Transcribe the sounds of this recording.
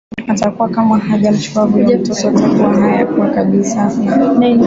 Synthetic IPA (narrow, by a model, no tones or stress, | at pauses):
atakuwakamahaʄam̩t͡ʃuwaɡuʄatɔtɔtakuwaɦajakuwakaɓisana